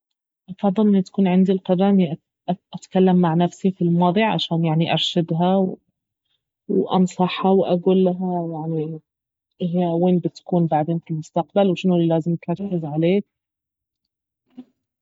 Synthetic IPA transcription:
ʔɑfɑðˤːɨlʔɪnːʊt̪ḁkuːnʕɪnd̪ilqɑɾˤɑːʔniʔ | ʔat̪kalːamːaʕnafsifilmwɑːd̪ˤiʕʕa̰ʃaːnjaʕniʔɑɾˤʃad̪ɦaw | wʔɑ̰nsˤɑħhawʔaɡuːlːaɦajaʕni | ʔɪɦjaweːnbɪt̪ḁkuːnbaʕd̪eːnfilmʊst̪aqbalwʃɪnulilaːzɪmt̪ɾˤɑkːɪzʕaleːk̚

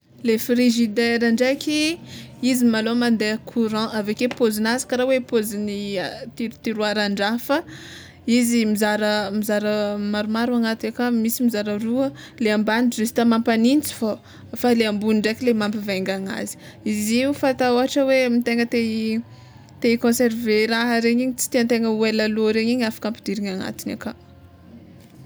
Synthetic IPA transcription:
lefriʒid̪eɾaɳɖ͡ʐakʲiizimalomand̪ekʰuɾɑ̃ʔavekepozinazi̥kaɾawepozinit̪iɾut̪iɾuaɾaɳɖ͡ʐafə | izimizaɾəmizaɾəmaɾumaɾuaŋat̪iakamisimizaɾəruə | leambanɖ͡ʐesi̥t̪amampanint͡si̥fo | faleambuniɳɖ͡ʐakʲilemampiveŋɡaŋa̰zi̥ | iziufat̪aoɦaʈ͡ʂəwemit̪eŋət̪e | t̪ekõseɾveɾaɦəɾeɲiɲit͡si̥t̪iant̪eŋəuelaloɾeɲiɲafḁkampid̪̥iɾiŋaŋa̰t̪ina̰ka

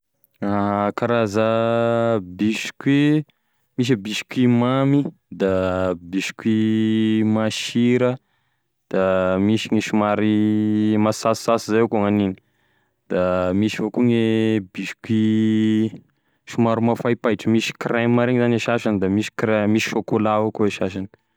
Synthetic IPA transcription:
akaɾazə | biʃi̥kwe | miʃ̬əbiʃi̥kimami | d̪abiʃi̥kwi | maʃiɾə | d̪̥amiʃiŋeʃumaɾimasasːasizajakuŋanini̥ | d̪̥amiʃivokuŋebiʃi̥kwi | ʃumaɾumafajpajʈ͡ʂəmisi̥kremaɾeŋzaneʃaʃanid̪amiʃi̥kremisi̥ʃokolaukueʃaʃani̥

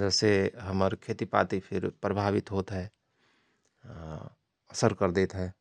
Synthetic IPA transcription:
d͡ʒɛːseɦəməɾkʰeːt̪ipa̰ːt̪ipʰɪɾpɾəbʱaːʋɪt̪ɦoːt̪ɦɛ | əsəɾkəɾd̪eːt̪ɦɛː

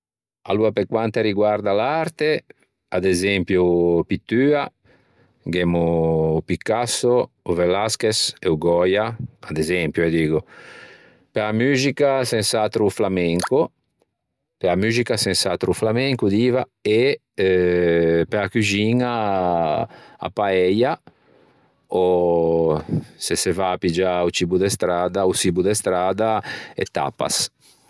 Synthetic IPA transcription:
a̰luapekwant̪eɾiɡwaɾd̪alaɾt̪e | ad̪ezɛmpjupit̪ːyːa | ɡemupikːaso | uvelaskeseuɡɔjaad̪ezɛmpjuɛd̪iːɡu | peamyːzikasɛnsat̪ɾuflamɛŋku | peamyzikasẽnsat̪ɾuflamɛŋkud̪iva | e | ɛ | peakuʒiŋa | a̰paɛja | o | sesevaːpid͡ʒaut͡ʃibud̪est̪ɾad̪ausibud̪est̪ɾad̪aḛt̪a̰pa̰s

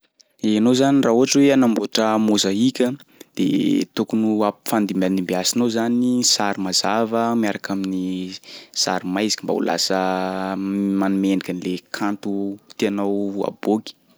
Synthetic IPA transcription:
eanozanirauɦaʈ͡ʂweanamboaʈ͡ʂəmozaikʲəd̪̥ḛt̪ukunuapi̥fand̪imanimbiasinozanisaɾimazavəmiaɾakamini | sa̰ɾimajzi̥kʲimba̰ṵla̰sə | manumenikʲanilekʰant̪ut̪eanawa̰b̥oki̥

